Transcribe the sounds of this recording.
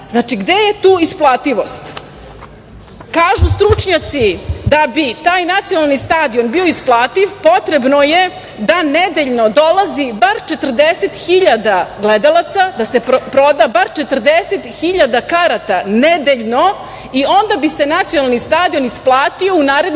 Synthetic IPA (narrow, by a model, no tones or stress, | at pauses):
znaːt͡ʂiɡd̪e̞jet̪uːisplˠaːt̪iʋo̞st̪ | kaːʒust̪ɾut͡ʂɲat̪sid̪abit̪aːjnat̪sijonalˠnist̪aːd̪ionbioisplˠaːt̪iʋpo̞t̪ɾebnoje | d̪aned̪eʎnod̪o̞lazibaɾt͡ʃet̪r̩d̪eset̪xiʎad̪aɡled̪alˠat̪sad̪ase̞pɾo̞d̪abaɾt͡ʃe̞t̪ərd̪eset̪xiʎad̪akaɾat̪aned̪eʎno̞ | io̞nd̪abisenat̪sijonalnist̪aːd̪ionisplˠaːt̪io̞unaːɾe̞d̪